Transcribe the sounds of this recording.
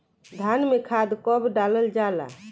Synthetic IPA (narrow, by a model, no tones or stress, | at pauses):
d̪ʱanmekʰad̪kɔbɖaləld͡ʒala̰